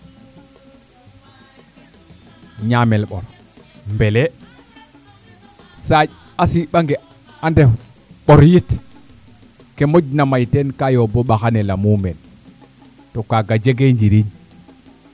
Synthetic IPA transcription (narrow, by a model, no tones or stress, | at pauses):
ɲamɛlɓɔ̰ɾ | mbɛlɛ | sa | asiɓaŋɡɛ | andɛ | ɓɔɾjit | kɛmod͡ʒnamajtɛnkajɔbɔɓaxanɛlamumɛn | tɔkaɡad͡ʒeɡeɲd͡ʒiɾiɲ